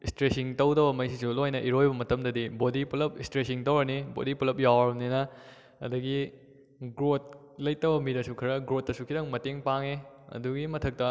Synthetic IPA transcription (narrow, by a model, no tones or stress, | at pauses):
istɾesiŋtɐwdɐbɐmɐjsisulojnɐʔiɾojbɐmɐtɐmdɐdibodipulɐp̚istɾesiŋtɐwɾɐnibo̰dipulɐp̚jawɐɾɐmninɐ | ɐ̰dɐɡi | ɡɾot̚ | lɐjtɐbɐmiɾɐsukʰɐɾɐɡɾot̚ːɐsukʰidɐŋmɐteŋpaŋeɐ̰duɡimɐtʰɐk̚tɐ